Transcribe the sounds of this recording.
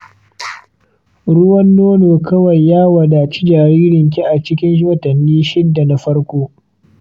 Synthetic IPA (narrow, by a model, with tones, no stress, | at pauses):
ɽʊ˦wɐ˦nːoː˦noː˨kɐ˦wɐ˨jːaː˦wɐ˨da˨t͡ʃi˦d͡ʒaː˨ɽiː˦ɽɪ˨ŋk̬ʲi˦ʔa˨t͡ʃɪ˦kʲɪ˦nʃoː˦tɐ˨nːiː˦ʃɪ˦dːa˨na˨ɸɐ˦ɽkʷoː˦